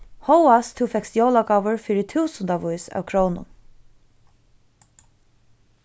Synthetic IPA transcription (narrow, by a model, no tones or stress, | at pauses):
howast̪ʰɪfɛksjoːlakavʊɹfɪːɾɪt̪ʰuːsʊnt̪avujsa̰ːwkʰɹownʊ̰n